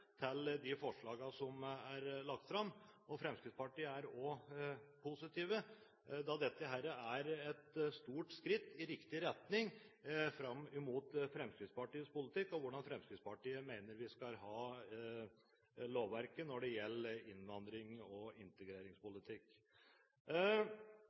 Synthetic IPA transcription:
t̪ʰɪld̪ɪfɔʂɭɑːɡɑsɔmæɾɭɑk̚t̪fɾɑmːɔfɾɛmskɾɪt̪spɑʈiːəæɾɔ | pʰʊsɪt̪iːʋə | d̪ɑd̪ɛt̪ːəɦæɾəæɾɛt̪st̪uːʈskɾɪt̪ːɪɾɪkt̪ɪɾɛt̪nɪŋfɾɑmːɪmuːt̪fɾɛmskɾɪt̪spɑʈiːəspʊlɪt̪ʰɪkːɔʋʊɖɑnfɾɛmskɾɪt̪spɑʈiːəmeɪnəɾʋɪskɑlɦɑː | loːʋʋæɾkənɔɖɛjɛlːəɪnʋɑnd̪ɾɪŋɔɪnt̪əɡɾeːɾɪŋspʊlɪt̪ʰɪkː

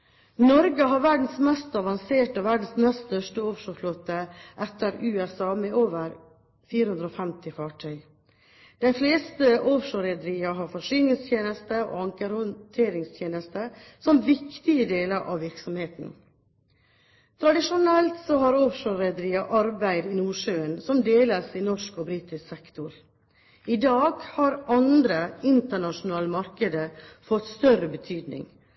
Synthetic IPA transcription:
nɔɾɡəɦɑɾʋæɖɳ̩smɛst̪ɑʋɑŋseːʈəʋæɖɳ̩smɛst̪t̪œʂʈəoːfʂoːfloːt̪əʔɛt̪ːəɾʉːɛsɑːmeoːʋəɾ | fiːɾəhʉnd̪ɾoːfɛmt̪ɪfɑːʈʰœʏ | d̪̥æɪfleːst̪əʔoːfʂoːɾɛd̪əɾiːɑɦɑɾfɔʂʏnɪŋst̪ʰjeːnəst̪əo̰ːɑŋkəɾʊt̪ʰeːɾɪŋst̪ʰjeːnəst̪əsɔmʋɪkt̪ɪəd̪eːləɾʔɑ̰ʋʋɪɾksɔmheːt̪n̩ | t̪ʰɾɑd̪ɪʂʊnɛlt̪sɔhɑɾɔfʂøːɾɛd̪əɾiːɑʔɑɾbæɪd̪ɪnuːʂøːənsɔmd̪eːləsinɔʂkɔbɾiːt̪ɪsksɛkt̪ʊɾ | ɪd̪ɑːɡhɑɾɑnd̪ɾəɪnt̪əɳɑʂʊnɑːləmɑɾkəd̪əfɔt̪ːst̪œɾəbət̪ʰyːd̪nɪ̰ŋ

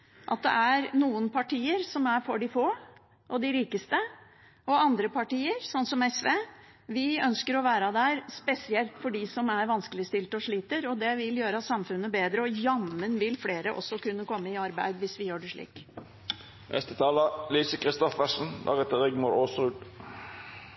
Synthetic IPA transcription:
ʔɑ̰t̪̚d̪ɛ̰ʔæɾnuːənpʰɑʈiːəɾsɔmæɾfɔɖɪfoː | ʔɔd̪ɪɾiːkəst̪ə | ɔɑnd̪ɾəpʰɑʈiːəɾsɔnt̪sɔmɛsʋeː | ʋɪœnskəɾɔʋæːɾəd̪æɾspɛsɪɛlt̪fɔɖɪsɔmæɾʋɑnskəlɪst̪ɪlt̪ɔʂɭiːt̪əɾɔd̪ɛʋɪljøːɾəɑt̪sɑmfʉnːəbeːd̪ɾəɔjɑmːənʋɪlfleːɾəʔɔ̰sːɔkʉnːəkɔmːəɪɑɾbæ̰ɪd̪ʋɪsʋɪjøːɖɛʂɭḭːk | nʔɛ̰st̪ət̪ʰɑːləliːsəkʰʁɪst̪ɔfəsn̩d̪ɑ̰ːʁɛt̪əʁɪɡmuːɾoːsʁʉːd̪

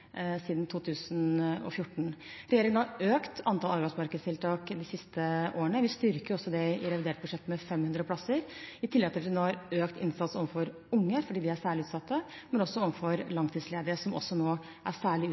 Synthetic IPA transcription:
siːd̪nt̪ʰuːt̪ʰʉːsənɔ̰fjʊʈːɳ̩ɾɛjeːɾɪŋənhɑɾøːkt̪ɑnt̪ʰɑlɑɾbæɪsmɑɾkəd̪st̪ʰɪlt̪ʰɑːkd̪ɪsɪst̪əʔoːɾəɳəʋɪst̪ʏɾkəɾʊɔsːɔd̪ɛɪɾɛʋɪd̪eːʈ̚bʉʂɛt̪ːmɛfɛmːhʉnd̪ɾəpʰlɑsəɾɪt̪ʰɪlːɛɡt̪ʰɪfɪnoːhɑɾøːkt̪ɪ̰nsɑt̪sɔʋənfɔɾ | ʊŋːəfɔɖiːd̪ɪæsæːɭɪʉːt̪sɑt̪ʰːəmɛnɔsːɔɔʋnfɔɾlɑŋt̪ʰiːd̪sleːd̪əɾəsɔmʔɔ̰sːɔnoː | ʔæ̰sæːɭɪː

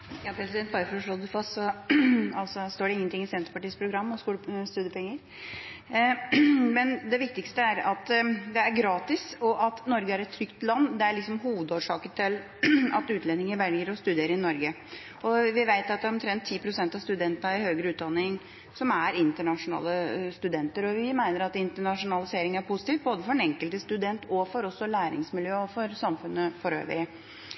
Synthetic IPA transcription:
jɑːpʰɾɛsɪd̪ɛnt̪̚bɑɾəfɔɾʂlod̪əfɑst̪sɔ | ɑlsɔst̪oːɖɛɪŋːənt̪ɪŋːɪsɛnt̪ə̥pɑʈiːspʰɾʊɡɾɑmːɔskuːləst̪ʉːd̪əpʰɛŋːəɾ | mɛnd̪ɛʋɪk̚t̪ɪkst̪əæɾɑt̪d̪ɛæɾɡɾɑːt̪ɪsɔʔɑt̪nɔɾɡəæɾɛt̪ʰːɾʏkt̪lɑnːd̪ɛæɭɪksɔmɦuːʋəd̪oːʂɑːkət̪ʰɪl | ɑ̰t̪ʉːt̪ʰlɛnɪŋəɾʋɛljɡəɾɔst̪ʉd̪eːɾəɾɪnɔɾɡə | ɔʋɪʋæɪt̪ɑt̪̚d̪æɾɔmt̪ʰɾɛnt̪ʰːiːpʰɾʊsɛnt̪ɑst̪ʉd̪ɛnt̪nəɾɪhøːɡɾəʉːt̪d̪ɑnːɪŋ | sɔmæɾɪnt̪əɳɑʂʊnɑ̰ːləst̪ʉd̪ɛnt̪əɾɔʋɪmæɪnəɾɑt̪ɪnt̪əɳɑʂʊnɑlɪseːɾɪŋəæɾpʰʊsɪt̪iːft̪̚boːd̪əfɔɾɛnɛŋkəlt̪əst̪ʉd̪ɛnt̪ʰɔfɔɾɔsːɔlæːɾɪ̰ŋsmɪljøːɔfɔɾsɑmfʉnːəfɔɾø̰ːʋə̰ɾɪ

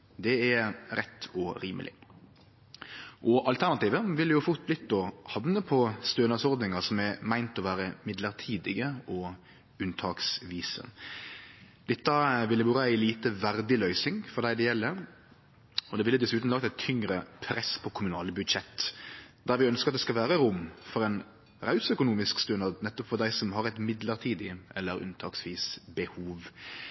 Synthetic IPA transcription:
d̪ɛæɾɛt̪ːɔɾiːmʔə̰lʔɪ̰ | ʔɔʔɑlt̪ʰæʁnɑt̪iːʋəʋɪlːəjʊfʊʁt̪̚blɪt̪ːɔhɑʋnəpʰɔst̪øːnɑsɔɾd̪nɪŋɑsɔmɛmæɪnt̪ɔʋæːɾəmɪd̪ləɾt̪ʰiːd̪ɪɡəɔ | ʉnt̪ʰɑːksʋiːsə̰ | d̪̥ɛt̪ːɑʋɪlːəʋuːɾəæɪliːt̪əʋæɾd̪ɪlœʏsɪŋfɔɾd̪æɪd̪ɛjɛlːə | ɔd̪ɛʋɪlːəd̪ɛsʉːt̪n̩lɑkt̪ɛɪt̪ʰːʏŋɾəpʰɾɛspʰɔkʰʊmʉnɑːləbʉd̪ʃɛt̪ːd̪æɾʋɪœnskəɑt̪d̪ɛskɑlʋæːɾəɾʊmfɔɾɛn | ɾɑʉsœkʊnuːmɪskst̪ʉnɑd̪nɛt̪ːɔpfɔd̪æɪsɔmɦɑɾɛt̪mɪd̪ləɾt̪ʰiːd̪ɪɛlːəɾʉ̰nt̪ʰɑːksʋiːsbəhuːʋ

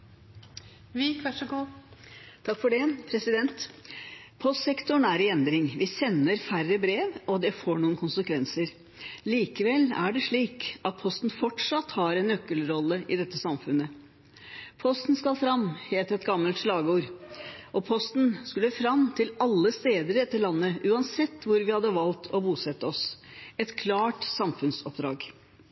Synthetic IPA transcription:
ʋɪkʰʋæəɡu | t̪ʰɑkːfɔɖɛpʰɾɛsɪd̪ɛnt̪ | pʰɔst̪sɛkt̪ʊɳæɾɪɛnd̪ɾɪŋʋɪsɛnːəɾfærəbɾeːʋɔd̪ɛfoːɳuːənkʰʊnsəkʰʋɛnsəɾ | liːkəʋɛlæ̰ɖɛʂɭiːkʔɑt̪̚pʰɔst̪n̩fɔʈʂɑt̪ːhɑɾɛnœkːəlɾɔlːəʔɪd̪ɛt̪ːəsɑmfʉnːə | pʰɔst̪n̩skɑlfɾɑmheːt̪əɾɛt̪ɡɑmːəlt̪ʂɭɑːɡəuːɾʔɔpʰɔst̪nskʉlːəfɾɑmt̪ʰɪlɑlːəst̪eːd̪əɾɛt̪ːəɭɑnːəʔʉːɑnsɛt̪ːʋʊɾʋɪhɑd̪ːəʋɑlt̪ʰɔbuːsɛt̪ːəɔsɛt̪kʰlɑːʈsɑmfʉnsɔpd̪ɾɑ̰ːɡ

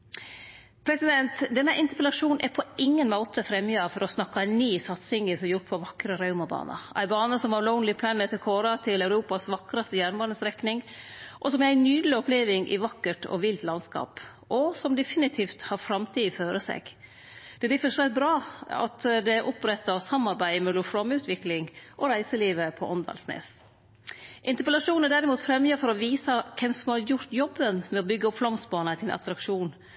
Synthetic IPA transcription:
pʰɾɛsɪd̪ɛnt̪d̪ɛnːəʔɪnt̪əɾpɛlɑʂuːnʔæpʰɔɪŋːənmoːt̪əfɾɛmːjəɑʋfɔɾɔsnɑkːɑniːsɑt̪sɪŋəfɔjʊʈpʰɔʋɑkːɾəɾɑʉmɑbɑ̰ːnʔɑ̰ʔæ̰ɪbɑːnəsɔmʋɑɾlɔʊnlɪpʰlænɛt̪əkʰoːɾɑt̪ʰɪlæʉɾuːpɑsʋɑkɾɑst̪əjæːɾnbɑːnəsɾɛknɪŋʔɔsɔmæɪnyːd̪lɪɔpleːʋɪŋʔɪ̰ʋɑkːəʈɔ̰ʋɪlt̪lɑnskɑ̰ːp | ʔɔsɔmd̪ɛfɪnɪt̪ʰiːft̪hɑɾfɾɑmt̪ʰiːføːɾəsɛ̰ɡ̥ | d̪̥ɛd̪ɪfəʂʋɛt̪̚bɾɑːɑ̰t̪d̪ɛʔɔpɾɛt̪ːəsɑmːɑɾbæɪmɛlʊfɾɔmʉːt̪ʰʋɪklɪŋʔɔɾæɪsəliːʋəpʰɔʔɔnd̪ɑ̰ːlsnḛːs | ʔɪnt̪əɾpəlɑʂuːnəɖ̪æɾɪmuːt̪fɾɛmjəːfɔɾɔʋiːsəkʰɛmsɔmhɑɾjʊɾt̪jɔbːənmɛɔbʏɡːəɔpflɔmsbɑːnət̪ʰɪlʔɑ̰t̪ɾɑkʂuːn

